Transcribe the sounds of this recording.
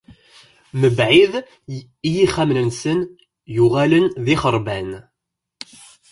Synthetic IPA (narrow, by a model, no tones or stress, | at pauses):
məbʕið | ijiχæmnənsən | juʁælənðiχəɾˤbæn